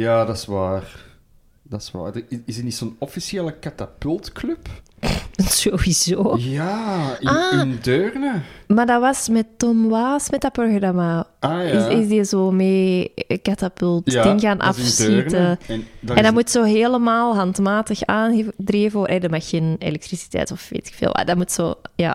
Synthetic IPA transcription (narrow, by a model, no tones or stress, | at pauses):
jaːdɑsʋaːr | d̥ɑsʋa̰ːrdəɪɪsətnitsoːnɔfisjeːləkatapʏlˠtklɵp | z̥oːwiz̥oːjaɪaːndøːrnəmaːrdɑʋɑsmɛtːɔmwaːsmɛtapɔrɣdamaaɪsɪsdizoːmeːkatapʏlˠtːdɪŋɣaːnʔa̰siəndɛndamutsoːɦeːləmaːlˠɦɑntmaːtəxaːndreːvəoːɾʔɛdəmaxːeːnḛlɛktrisi̥tɛ̰ːtɔfʋḛːtɪ̥kfḛːlˠʋa̰damutso̰ːja̰ː